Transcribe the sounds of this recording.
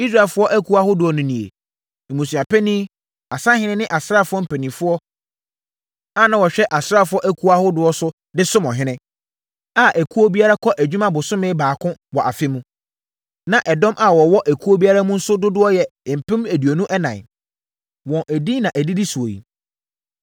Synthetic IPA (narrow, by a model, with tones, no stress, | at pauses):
i˦sɾa˨fʊ˦ɔ˦ʔæ˦kʰu˨˦a˦hʊ˦dʊ˨˦ɔ˦nʊ̃˨nĩ˨ḛ˨ | m̩˨mũ˨si˨a˨pʰɛ˦nĩː˦ | a˨sã˦ɦɪ̃˦nɪ̃˦nɪ̃˦ʔa˨sɾa˦˨fʊ˦ɔ˦m̩˨pʰɛ˨nĩ˨fʊ˦ɔ˦ | a˦˨nã˨wɔ˨ɕᶣɛ˦ʔa˨sɾa˦fʊ˦ɔ˦ʔæ˦kʰu˦a˦hʊ˦dʊ˨˦ɔ˦sʊ˦ | dɪ˦sʊ˦mɔ̰̃˨ɦɪ̃˦nɪ̃˦ | a˦˨ʔæ˨kʰu˦o˦bi˦a˦ɾa˦kʰɔ˦ʔæ˨d͡ʑᶣu˦mã˦bʊ˨sʊ̃˦mɪ̃˦baː˨kʰʊ̃˦wɔ˨ʔa˨fɪ˦mũ˦ | nã˨ʔɛ˨dɔ̃˦mʔa˨wɔ˨wɔ˦ʔæ˨kʰu˦o˦bi˦a˦ɾa˦mũ˦n̩˦sʊ˦dʊ˦dʊ˦ɔ˦jɛ˨m̩˨pʰɪ̃˦mæ˨du˨o˨nũ˦ʔɛ˦nã̰˨n˨ | wɔ̃˨ʔæ˨di˦nã˨ʔæ˨di˦di˦su˨o̰˨jḭ˨